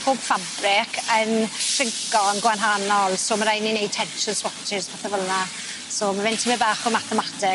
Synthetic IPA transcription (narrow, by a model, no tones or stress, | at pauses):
pʰoːb̥fabrɪkʰəntʰrɪŋkɔnɡwanɦanɔlˠsoːmaɾajninejd̚tʰɛnʃənswɔktʰɪsbaθɛvəlˠna | soːmavɪntʰəmɪbaːχʊmaθɛmatʰɪ